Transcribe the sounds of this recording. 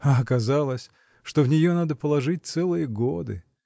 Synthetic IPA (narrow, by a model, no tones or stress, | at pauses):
aɐkɐzalˠəsʲ | ʂt̪ovnʲɪjonad̪əpəlˠɐʐɨt̚ʲt̪sɛlˠɨjəɡod̪ɨ̰